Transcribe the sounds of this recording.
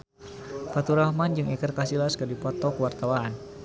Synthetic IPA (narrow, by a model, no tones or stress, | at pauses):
fat̪uɾahmand͡ʒɨŋikərkasilaskərdipɔt̪ɔkəwart̪awaːn